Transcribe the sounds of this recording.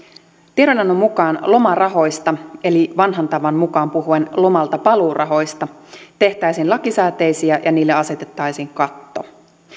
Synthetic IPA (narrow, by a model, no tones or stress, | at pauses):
t̪ieɾonɑnːomːukɑːnlo̞mɑrɑɦo̞jst̪ɑe̞liʋɑnɦɑnt̪ɑʋɑnmukɑːmpuɦuenlo̞mɑlt̪ɑpɑluːrʔɑ̰ɦo̞jst̪ɑ | t̪e̞ht̪æjsiːnlɑkisæːt̪ejsiæjʔɑniːlːeɑse̞t̪e̞t̪ːɑjsiːŋkɑt̪ːo̞̰